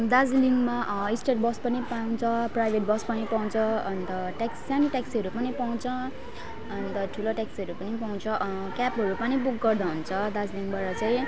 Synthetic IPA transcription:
d̪ad͡zliŋɡmaʔisʈeʈ̚bʌspʌnipawt͡sʰʌprajbʱeʈ̚bʌspʌnipaw̃t͡sʰʌʌnt̪ʌʈakssaniʈaksʌɾupʌnipaw̃t͡sʰʌ | ʌnt̪ʌʈʰuloʈaksʌɾupʌnipaw̃t͡sʰʌkapɦʌɾupʌnibuk̚ɡʌrd̪aɦunt͡sʰʌd̪ad͡zliŋɡbaɾʌt͡saĩ

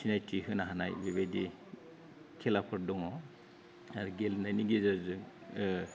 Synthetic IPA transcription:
sʰinajtʰiɦɯnaɦana̰jbeβejdi | kʰɛlapʰɔɾdɔŋɔ | aɾɡelnajniɡezazɯ

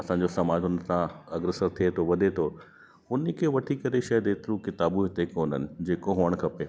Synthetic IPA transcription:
ɐsãːɲd͡ʑosɐmaːd͡ʑɦʊnsãɐɡɾesəɾt̪ʰiet̪ʰoʋɐɗ̪ʱet̪ʰo | ʊnəkʰeːʋɐʈʰikɐɾeʃɐd̪eːt̪ɾukɪt̪aːbuɦɪt̪ekoːnənɪ̆d͡ʑeːkoɦoəɽ̃kʰɐpe

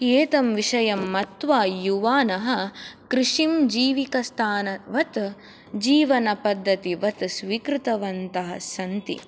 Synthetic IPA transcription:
eːt̪ɐmʋiʂɐjɐmːɐt̪ʋaːjuʋaːnɐɦɐ̆kɾɪʂimd͡ʒiːʋikɐst̪ʰaːnɐʋɐt̪ | d͡ʒiːʋɐnɐpɐd̪ʱːɐt̪iʋɐt̪sʋiːkɾɨt̪ɐʋɐnt̪ɐɦɐ̰̆sɐnt̪ḭ

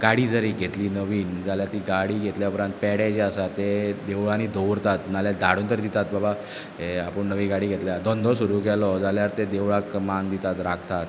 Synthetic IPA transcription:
ɡ̥aɽiːd͡zəɾiɡʱet̪liːnəʋiːnd͡zaljaɾt̪iːɡaɽiːɡʱet̪ljaupɾãnt̪̚pɛɽed͡ʑeasat̪ːed̪eʋɭanid̪ʱoʋɾt̪at̪naljad̪ʱa̰ɽ̤uːnt̪əɾid̪it̪at̪̚baba | ɦeapəɳnəʋiːɡaɽiːɡʱet̪ljad̪ʱɔ̃nd̪ʱɔsuɾuːkɛlɔd͡zaljaɾt̪ed̪eʋɭakmand̪it̪at̪ɾakʰt̪at̪

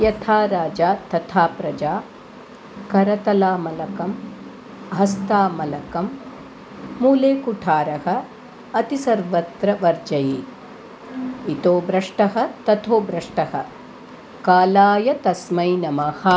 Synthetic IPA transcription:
jɐt̪ʰaːɾaːd͡ʒaːt̪ɐt̪ʰaːpɾɐd͡ʒaː | kɐɾɐt̪ɐlaːmɐlɐkɐm | ɦɐst̪aːmɐlɐkɐmː | uːleːkuʈʰaːɾɐhɐ̆ | ɐt̪isɐɾʋɐt̪ɾɐʋɐɾd͡ʒɐjeː | it̪oːbɾɐʂʈɐɦɐ̆t̪ɐt̪ʰoːbɾɐʂʈɐhɐ̰ | kaːlaːjɐt̪ɐsmɐjnɐmɐhɐ

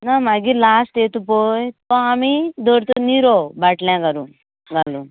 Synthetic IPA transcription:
namaɡilaːsʈeːt̪upoːjt̪oamid̪oɾt̪uniɾobɐʈlɛ̃ɡɐɾu | ɡalu

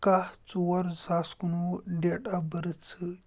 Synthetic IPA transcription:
kaht͡suwɐɾzaːskunuɖeːʈabəɾɨt͡sʰɨ

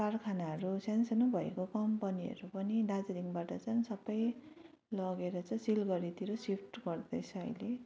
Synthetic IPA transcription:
karkʰanaɦʌɾusensʌnobʱʌḛkokʌmpʌniʌ̰ɾupʌniɖad͡zɾiŋbaʈʌt͡sʌnsʌbʌj | lʌɡeɾʌt͡sʰʌ̃silɡʌɾit̪iɾosipʰʈɡʌrd̪ʌjt͡sʰʌʌ̰jle

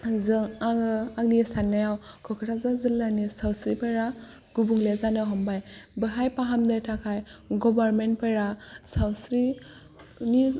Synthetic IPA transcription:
zɯŋaŋɯaŋnijesanːajawkʰɔkʰɯɾazazɯlːanisawsɾipejɾa | ɡ̥ubuŋlezanɯɦɔmbajbɯɦajpaɦamdɯtʰakʰajɡɔbaɾmentpʰejɾasawsɾi | ni

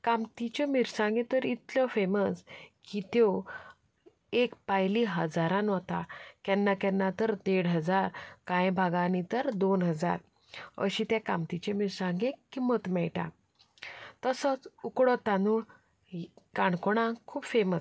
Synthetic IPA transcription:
kãmt̪it͡ɕemiɾsãŋɡẽt̪əɾit̪lɔfeməskit̪eo | ekpajliɦəd͡zaɾãnɔt̪akjɛnːakɛnːat̪əɾt̪eɽɦəd͡zaɾkãjbʱaɡãnit̪əɾd̪onɦəd͡za̰ɾ | ə̰ɕit̪jakamt̪it͡ɕemiɾsãŋɡẽkimət̪mɛɭʈa̰ | t̪əsət͡sukɽɔt̪anu | kaɳkoɽ̃ãkʰuːbfeməs

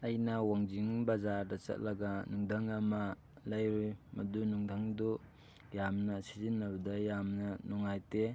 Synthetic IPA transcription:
ɐjnɐwaŋd͡ʒiŋbazaɾdɐt͡ʃɐ̰t̚lɐɡɐnuŋdʱaŋɐmɐ | lajɾujmɐdunuŋdʱaŋdu | jamnɐsizinːɐbɐdɐjamnɐnɔŋajte

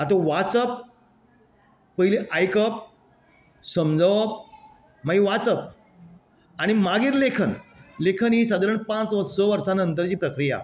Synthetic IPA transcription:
at̪oʋatt͡səp | əɦileʔajkəp̚ | səmd͡zʱəʋə | maɡiʋat͡səp̚ | aɽ̃imaɡiːɾlekʰənlekʰənɦis̬ad̪aɾəɳpãt͡sʋət̪səʋəɾsanənt̪əɾt͡ɕiːpɾəkɾija̰

